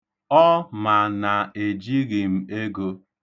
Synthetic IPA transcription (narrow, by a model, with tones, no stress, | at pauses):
ɔ˦ma˨na˨e˨d͡ʒi˦ɣi˨m̩˨e˦ɡo˦